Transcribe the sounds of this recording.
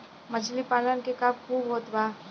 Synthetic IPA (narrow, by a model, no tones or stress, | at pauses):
mət͡ʃlipaːlənkekab̚kʰuːbɦoːt̪baː